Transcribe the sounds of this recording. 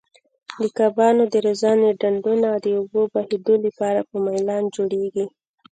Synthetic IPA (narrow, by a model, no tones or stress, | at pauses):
d̪əkabɑnod̪əɾazɑneɖaɳɖunawd̪əobobahed̪olipɑɾapəmajlɑnd͡ʒoɽeɡi